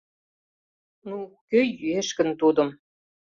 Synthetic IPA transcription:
nukøjyeʃkə̆nt̪ud̪ɤ̆m

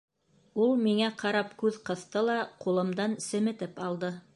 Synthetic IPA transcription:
ulˠmiŋæqʰɑɾɑpkʉðqɤ̆θt̪ɤlˠɑqulˠɤ̆md̪ɑnsɘ̆mɘ̆t̪ɘpɑlˠd̪ɤ

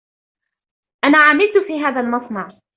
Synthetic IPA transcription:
ʔanaːʕamɪlt̪ʊfiːɦaːðalmɑsˤnɑʕ

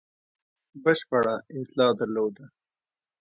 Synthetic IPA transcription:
bəʃpaɽaɪt̪lɑːd̪aɾloːd̪a

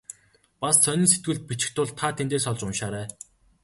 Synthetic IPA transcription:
past͡sʰœnʲiːnset̪̚ɡɘ̆ɮt̪̚pit͡ɕɪ̥̆xt̪ʊɮt̪ʰːat̪ʰent̪eːsɔɮt͡ɕʊnʃaːɾæː

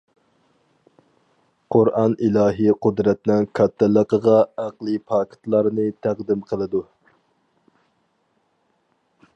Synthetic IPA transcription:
qʰʊɾʔɑnilˠɑːɦiqʊd̪ɾɛt̪nɪŋkʰɑt̪ʰːɛlˠəqəʁɑæqlˠipʰɑːkʰɪ̥t̪lˠɑɾnɨt̪ʰæqd̪ɪmqʰəlˠɨd̪u

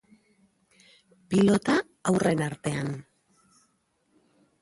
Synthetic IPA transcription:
pilo̞t̪aː | wre̞naɾt̪e̞an

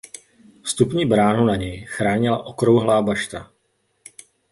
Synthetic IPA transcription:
fst̪upɲiːbɾaːnunaɲɛjxɾaːɲɪla̰ʔo̞kɾowɦlaːbaʃt̪a

